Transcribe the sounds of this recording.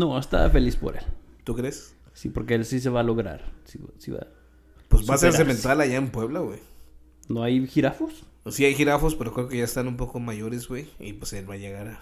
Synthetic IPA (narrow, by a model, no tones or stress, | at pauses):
noest̪a̰fe̞lispo̞̰ɾe̞̰lt̪ukɾes | sipo̞̰ɾke̞elsis̬e̞βalo̞ɣɾa̰ɾsisḭβa̰ | pwesβaaseɾsement̪alaʝaempwe̞βlaɣwej | no̞ajxiɾafo̞ssiajxiɾafo̞spe̞ɾokɾe̞okeʝaest̪anumpo̞ko̞maʝo̞ɾezwejḭpwese̞lβaje̞ɣaɾa